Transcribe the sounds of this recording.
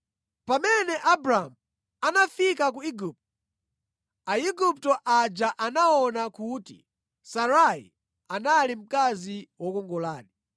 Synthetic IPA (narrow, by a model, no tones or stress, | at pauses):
pamɛnɛʔabɾamu | anafikak̬uiɡup̚tɔ | aiɡup̚tɔʔad͡ʒaʔanaɔnakutḭ | saɾaḭ | analim̩kaziwɔkɔŋɡɔlaːni